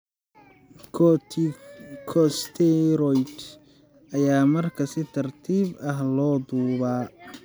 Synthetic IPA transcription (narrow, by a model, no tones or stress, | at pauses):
kʰɔst̪ʰɛɾɔjt̪ | ʔɐjaːmɐrkʰɐsɪt̪ʰɐrt̪ʰiːbɐɦlɔːd̪uːβaː